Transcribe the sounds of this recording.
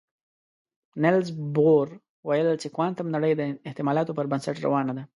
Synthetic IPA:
nɪlzboɾ | wajəlt͡ʃekwɑnt̪amnaɽəjd̪əɪht̪ɪmɑlɑt̪opəɾbənsaʈɾa̰wɑnad̪a

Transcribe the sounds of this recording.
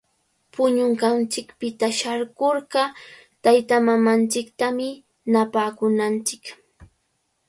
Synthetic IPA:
pʊɲʊɴɢɑnt͡ʃɪkpɪt̪aʃaɾɢoɾɢɑ | t̪ajt̪amamant͡ʃɪkt̪amɪ | napaːkʊnant͡ʃɪk

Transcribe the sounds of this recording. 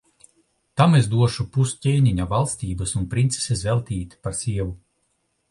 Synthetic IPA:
t̪amezd̪uɔʃupuscʲeːɲʲiɲavalˠst̪ʲiːbɐsunpɾint̪se̥sɛsvɛlˠt̪iːt̪ʲi̥paɾsʲiɛvu

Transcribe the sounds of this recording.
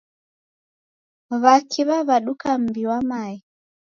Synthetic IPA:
βakʰiβaβaɗukam̩biwamai

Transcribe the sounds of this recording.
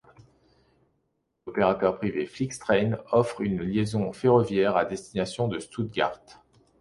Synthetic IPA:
ɔpeʁat̪œʁpχiveflikst̪χɛnɔfχynljezɔ̃feʁɔvjɛʁad̪ɛst̪inasjɔ̃d̪əst̪ud̪̚ɡa̰ʁt̪

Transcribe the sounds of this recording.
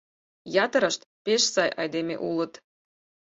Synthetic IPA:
jɑt̪ə̆ɾɤ̆ʃt̪peʃsɑjʔɑ̰jd̪emʲḛʔulə̆t̪

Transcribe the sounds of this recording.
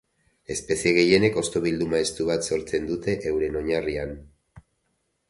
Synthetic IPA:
e̞spe̞sieɣ̞e̞je̞ne̞ko̞st̪o̞β̞ild̪umae̞st̪uβat̪so̞ɾt͡se̞nd̪ut̪e̞ʔewɾe̞no̞ɲarian

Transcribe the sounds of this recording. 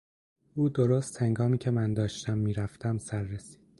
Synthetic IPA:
uːd̪oɾost̪heŋɡɒːmiːcʰemænd̪ɒːʃt̪ʰæmːiːɾæft̪æmsæɾːesi̥ːd̪̥

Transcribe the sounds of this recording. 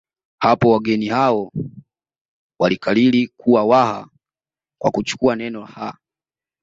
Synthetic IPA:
hapɔwaɡɛnihaɔ | walikalilikʰuwawaha | kwa̰kut͡ʃu̥kuanɛnɔha

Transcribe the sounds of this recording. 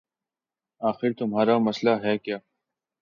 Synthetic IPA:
aːxɪɾt̪ʊmɦaːɾaːmɐslaɦɛːkjaː

